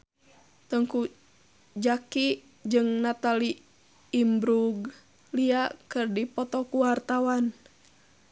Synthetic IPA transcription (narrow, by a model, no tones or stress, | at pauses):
t̪əŋku | d͡ʒaki | d͡ʒɨŋnat̪aliː | mbɾuɡ | liakɨrdipɔt̪ɔkuwart̪awan